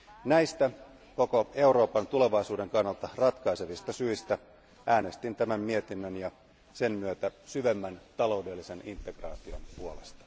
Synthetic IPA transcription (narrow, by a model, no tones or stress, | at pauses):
næist̪æ | ko̞ko̞e̞uɾo̞ːpɑnt̪ule̞ʋɑisuːde̞ŋkɑnːɑlt̪ɑrɑt̪kɑise̞ʋist̪ɑsyist̪æ | ʔæːne̞st̪int̪æmæmmiet̪inːønjɑ | se̞mmyøt̪æsyʋemːænt̪ɑlo̞udelːise̞nint̪ˑːe̞ɡ̥rɑ̰ːt̪io̞̰mpuolest̪ɑ̥